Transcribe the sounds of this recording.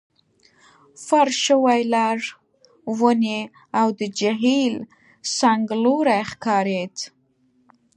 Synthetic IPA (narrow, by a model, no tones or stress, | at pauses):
faɾʃəwajlɑɽ | wəne | awd̪əd͡ʒaɦil | saŋɡloɾajxkɑɾet̪